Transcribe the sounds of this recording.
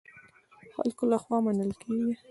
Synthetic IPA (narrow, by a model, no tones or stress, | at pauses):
xa̰lkolaxwɑmanəlkʰeɡi